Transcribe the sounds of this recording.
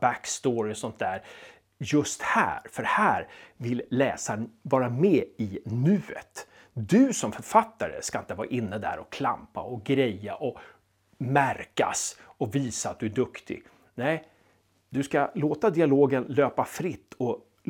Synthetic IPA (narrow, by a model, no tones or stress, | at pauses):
bækst̪oːɾɪɔsɔnt̪̚d̪æːɾ | jɵst̪hæ̰ːɾfœɾhæːɾvɪllɛːsanvɑːɾamɛːɪnʉ̟ːə̰t̪ | d̪ɵsɔmfœɾfat̪ːaɾə̰skaɪnt̪əvɑːɾa̰ʔɪnːəd̪æ̰ːɾɔkʰla̰mpa̰ɔɡɾɛjːaʔɔ | mæɾka̰sɔviːsaat̪̚d̪ɵæɖɵkt̪ɪ̰ | nɛɪ | d̪ɵskaloːt̪ad̪ɪaloːɡənløːpafɾɪt̪ʰːɔ